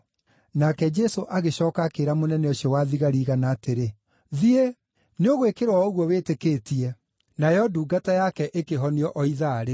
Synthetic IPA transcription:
nakɛd͡ʒɛsoʔaɣeɕɔːkakeɾamonɛnɛɔɕiɔwaðiɣaɾiːɣanaːteɾe | ðie | neoɣowekeɾwaoɣwɔweːtekeːtiɛ | najɔduːɡatajakɛʔekeɦɔniɔʔɔiðaɾe

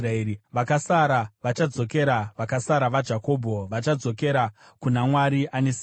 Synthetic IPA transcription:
raeːɾiʋakasaɾaʋat͡ʃad͡zo̞ke̞ɾaʋakasaɾaʋad͡ʒako̞ːbʱo̞ʋat͡ʃad͡zo̞ke̞ɾa | kunamwaɾiʔanes

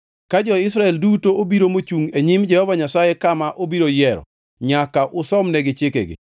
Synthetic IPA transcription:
kad͡ʒɔɪs̬ɾaɛldutoobiɾomot͡ʃuŋeɲɪmd͡ʒɛhɔvaɲasajɛkamaʔobiɾojɛɾɔ̰ | ɲakaʔʊsɔmnɛɡɪt͡ʃɪkḛɡɪ̰

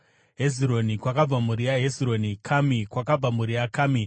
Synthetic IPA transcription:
ɦeziɾo̞nikwakab͡vamuɾijaɦeziɾo̞nikʰamikwakab͡vamuɾijakaːmi

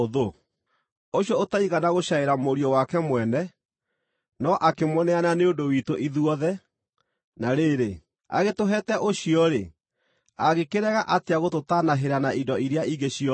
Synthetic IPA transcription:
oðo | oɕjɔotaiɣanaɣoɕaeɾamoɾiɔwakɛmwɛnɛ | nɔʔakemwɔnɛananeondowitoʔiðuɔðɛ | naɾeːɾe | a̰ɣetoɦɛtɛʔoɕiɔɾe | aɣekeɾɛɣaʔateaɣototanaɦeɾanaindɔʔiɾeaiɡeɕiɔ

